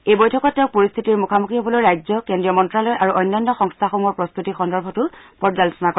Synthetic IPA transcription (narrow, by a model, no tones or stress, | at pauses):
ejbojtʰɔkɔtːɛʊk̚poɹist̪ʰitiɹmukʰamukʰiɔbɔlojɹajzɔkendɹiɔmɔntɹalɔjʔaɹuʔɔjnːanːɔxɔŋstʰaxomuɔɹpɹɔst̪utixɔndɔɹbʱɔtʊpɔzalɔsɔnakɔ